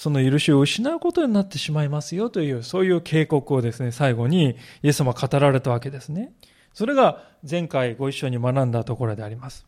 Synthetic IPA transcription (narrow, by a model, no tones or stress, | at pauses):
so̞no̞jɯ̟ɾɯ̟ɕioɯ̟ɕinaɯ̟ko̞t̪o̞ɲ̟inat̪ːe̞ɕimaimasɨjo̞t̪o̞jɯ̟ːso̞ːjɯ̟ːkʰe̞ːko̞kɯ̟o̞d̪e̞sɨne̞saiɡo̞ɲ̟ije̞sːamakʰat̪aɾaɾe̞t̪aβake̞d̪e̞sɨne̞ | so̞ɾe̞ɡa | zẽ̞ŋkaiɡo̞iɕːo̞ɲ̟imanãnd̪at̪o̞ko̞ɾo̞d̪e̞aɾʲimasɨ̥